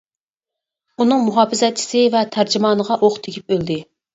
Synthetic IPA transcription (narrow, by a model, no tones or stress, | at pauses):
unɨŋmuɦɑːfɪzɛt͡ʃʰːi̥sɪvɛt̪ʰæɾd͡ʒɪmɑːnəʁɑʔoχt̪ʰɪkʲʰip̚øld̪ɪ